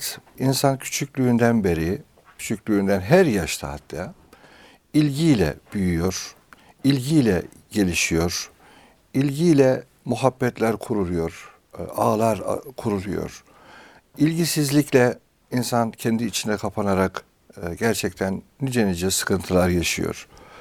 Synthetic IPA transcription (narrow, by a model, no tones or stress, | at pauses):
t̪insancʰy̥t͡ʃʰycʲlʲyːnd̪ænbe̞ɾi | cʰy̥t͡ʃʰycʲlʲyːnd̪ænɦæɾjaʃt̪ʰa̰ːt̪ʰd̪a | ilʲɟijlʲɛ̰b̥yjyjo̞ɾ̥ | ilʲɟijlʲɛ | ɟe̞lʲiʃijo̞ɾ | ilʲɟijlʲɛ | muɦabːɛt̪lʲæɾkʰuɾulˠujo̞ɾ | aːlˠaɾkʰuɾulˠujo̰ɾ̥ | ilʲɟisizlʲiclʲɛ | insancʰɛnd̪iːt͡ʃʰind̪ɛkʰapʰanaɾak | ɟæɾt͡ʃʰɛct̪ʰænːid͡ʒenid͡ʒɛsɯ̥kʰɯnt̪ʰɯlˠaɾjaʃɯjo̞̰ɾ̥